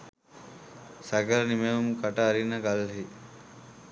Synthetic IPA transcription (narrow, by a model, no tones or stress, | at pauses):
saɡəɾənimeʋɐmukaʈaːɾinːəɡalɦi